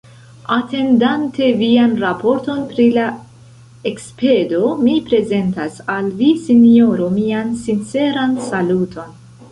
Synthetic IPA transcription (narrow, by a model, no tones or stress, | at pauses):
ate̞ndante̞vianɾapo̞ɾto̞npɾila | ekspe̞do̞mipɾe̞ze̞ntasalvisinio̞ɾomiansint͡se̞ɾansalutʰo̞n